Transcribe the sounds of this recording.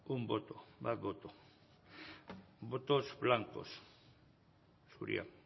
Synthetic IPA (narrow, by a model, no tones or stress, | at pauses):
umbot̪obaðβot̪o | bot̪osblaŋko̰s | sṵɾḭa̰